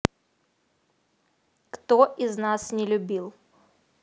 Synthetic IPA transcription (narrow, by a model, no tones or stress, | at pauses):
kt̪oʔɪznasnʲɪlʲʊbʲilˠ